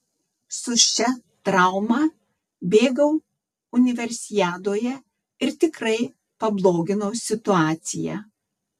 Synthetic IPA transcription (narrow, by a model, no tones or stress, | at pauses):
sʊʃʲt͡ʃʲɛt̪ɾɑˑʊmɑː | bʲeːɡɐʊ | ʊnʲɪʋʲɛɾʲsʲɪjæːd̪oːjɛ | ɪɾt̪ʲɪkɾɐɪ | pɐblˠoːɡʲɪnoʊsʲɪt̪ʊɑːt̪sʲɪjæ̰